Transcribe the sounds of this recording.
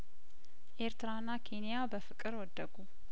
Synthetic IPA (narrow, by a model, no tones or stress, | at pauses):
ʔe̞ɾt̪ɨɾanːakʰe̞nijabəfɨkʼɨɾwɔd̪ːəɡu